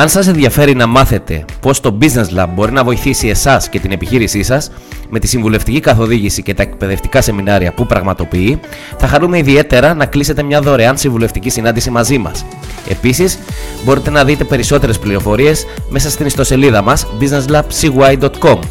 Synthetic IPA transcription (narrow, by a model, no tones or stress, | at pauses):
ɐnsɐse̞nðʝɐfe̞ɾinɐmɐθe̞t̪e̞̰po̞st̪o̞bizne̞zlɐbbo̞ɾinɐvo̞iθisie̞sɐsce̞t̪ine̞piçiɾisisɐs | me̞t̪isiɱvule̞ft̪icikɐθo̞ðiʝisice̞t̪ɐe̞k̚pe̞ðe̞ft̪i̥kɐse̞minɐɾiɐpupɾɐɣmɐt̪o̞piiθɐxɐnume̞iðie̞t̪e̞ɾɐnɐklise̞t̪e̞mɲɐðo̞ɾeɐnsiɱvule̞ft̪icisinɐnd̪isimɐzimɐ̰s | e̞̰pisisbo̞ɾit̪e̞nɐðit̪e̞pe̞ɾiso̞t̪e̞ɾespliɾo̞fo̞ɾie̞sme̞sɐst̪inist̪o̞se̞liðɐmɐsbizne̞zlɐb̥siɣuɐjd̪ot̪ko̞m